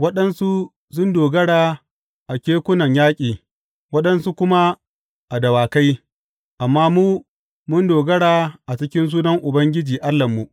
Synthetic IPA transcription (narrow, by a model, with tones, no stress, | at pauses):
wɐ˦ɗɐ˦nsu˦ | sʊ˦ndoː˨ɡɐ˦ɽaː˨ | ʔa˨kʲeː˦kʷʊ˦nɐ˨ɲjaː˦kʲʼiː˨ | wɐ˦ɗɐ˦nsu˦kʷʊ˦ma˦ | ʔa˨dɐ˨waː˨ka˦j | ʔa˨mːaː˦muː˦ | mʊ˦ndoː˨ɡɐ˦ɽaː˨ʔa˨t͡ʃɪ˦kʲɪ˦ns̬uː˦nɐ˦ŋʔʊ˨bɐ˦ŋɡʲɪ˦d͡ʒiː˨ʔa˦lːɐ˨mːu˨ʔ